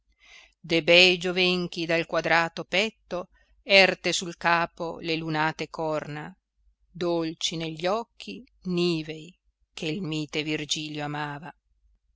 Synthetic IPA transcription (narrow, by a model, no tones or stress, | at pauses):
d̪ebɛjd͡ʒovɛŋk̟id̪alkwad̪ɾaːt̪opɛt̪ːo | ɛrt̪esulkaːpo̰lelunaːt̪ekɔrna | d̪olt͡ʃineʎːɔkʰːi | niːvej | kʰelmiːt̪evird͡ʒiːljoamaːva